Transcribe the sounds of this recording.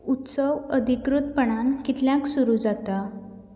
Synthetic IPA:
ut̪səwəd̪ʱikɾut̪̚pəɳankit̪ljãksuɾud͡zat̪a

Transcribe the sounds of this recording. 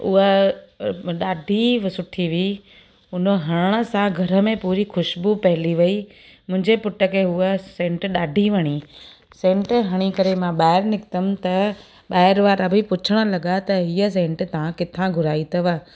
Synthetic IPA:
ʊ̰ɦə | ɗaːɖʱiʋsʊʈʰiʋi | ʊnəɦɐɽ̃əɽ̃ə̆sãɡʱɐɾə̆mẽpuːɾixʰʊʃbupɐɦɪliʋɐi | mʊ̃ɦɪ̃ɲd͡ʑepʊʈəkʰeɦʊəsẽːɳʈɗaːɖʱiʋɐɽ̃i | sẽːɳʈɦɐɽ̃ikɐɾemãɓaːɪɾnɪkt̪əmt̪ɐ | ɓaːɦɪɾʋaːɾɐbʱipʊt͡ɕʰəɽ̃ə̆lɐɠat̪ɐɦiːəs̬ẽːɳʈt̪ɐʋ̤ãkɪt̪ʰãɡʱʊɾaːit̪ʰɐʋa

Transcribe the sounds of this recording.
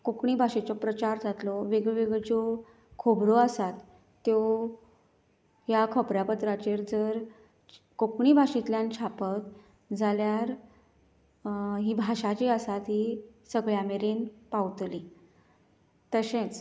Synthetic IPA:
kokɳibʱaɕet͡sɔpɾət͡ɕaɾd͡zʱat̪lɔʋeɡʋeɡd͡zo | kʰobɾɔəsat̪ː | jo | ɦjakʰəpɾjapət̪ɾat͡ɕeɾd͡zəɾ | kokɳibʱaɕet̪ljãnt͡ɕʰapət̪ | d͡zaljaɾ | ɦiːbʱaɕat͡ɕiəsat̪ɦi | səɡɭjameɾenpawt̪li | t̪əɕẽt͡s

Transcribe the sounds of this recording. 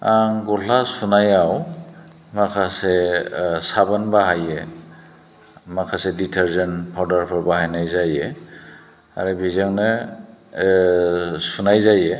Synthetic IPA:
aŋɡɔlasunajaw | makʰasesabanbaɦaje | makʰasɛditʰeɾzenpʰawdaɾpʰaɾbaɦajnajzaje | a̰ɾɯbʱizaŋnɯ | sunajzaje

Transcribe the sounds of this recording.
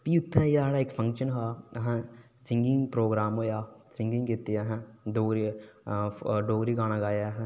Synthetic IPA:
piːʊt̪ʰːɛ̃jaɽaːeːkpʰɐ̃ŋkʃənɦoaːɦɛ̃ | sɪ̃ŋɡɪŋɡpɾoːɡɾaːmɦoːjaːsɪ̃ŋɡɪ̃ŋɡɡit̪ːiaɦɛ̃ɖ̪oːɡɾi | ɖoːɡɾiɡaːñaɡaːjaɦɛ̃

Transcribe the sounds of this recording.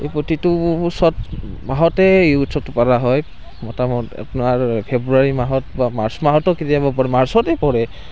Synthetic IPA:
epotitʊsɔtmaɦɔtɛutsɔtːʊpaɹaɦɔj | mɔtamɔta̰pnaɹpʰebɹuaɹimaɦɔtbamaɹsɔmaɦɔtɔketijabɔp̬ɔɹɛmaɹsɔtɛpɔɹɛ

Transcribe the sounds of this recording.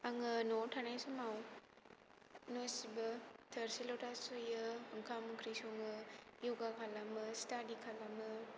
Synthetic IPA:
aŋɯnotʰanajsumaw | nosibɯtʰəɾsilotasujɯːŋkʰamɯkʰɾisuŋɯjuɡakʰalamɯstadikʰalamɯ

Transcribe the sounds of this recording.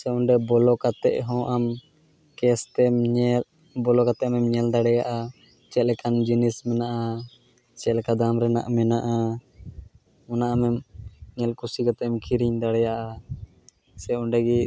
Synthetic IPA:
sɛuɳɖɛbɔlɔkat̪ɛʔɦɔ̃ʔam | kɛst̪ɛmɲɛl | bɔlɔkat̪ɛʔmɛmɲɛld̪aɽɛjaʔa | t͡ʃɛt̪̚lɛkand͡ʒinismɛnaʔa | t͡ʃɛt̪lkad̪amɾɛna̰ʔmɛnaʔa | ɔnaʔamɛmɲɛlkusikat̪ɛmkʰiɾiɲd̪aɽɛjaʔa | sɛuɳɖɛɡi

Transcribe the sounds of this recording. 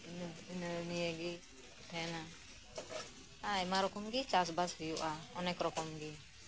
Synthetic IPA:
nnijəɡi | tʰɛna | aɛmaɾɔkɔmɡit͡ʃas̬bashujuʔaɔnɛkɾɔkɔmɡi

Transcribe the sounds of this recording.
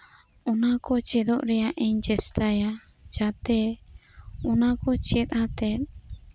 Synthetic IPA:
ɔnakɔt͡ʃɛd̪ɔʔɾɛjaʔɛɲd͡ʒɛst̪aja | d͡ʒat̪ɛ | ɔnakɔt͡ʃɛt̪̚at̪ɛt̪̚

